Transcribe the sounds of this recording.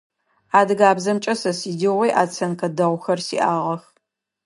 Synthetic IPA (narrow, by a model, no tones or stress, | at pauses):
aːdɨɡaːbzɐmt͡ʃʼɐsɐsiːdiʁʷejʔaːt͡sʰɐnkɐdɐʁʷxɐrsḭːʔaːʁɐx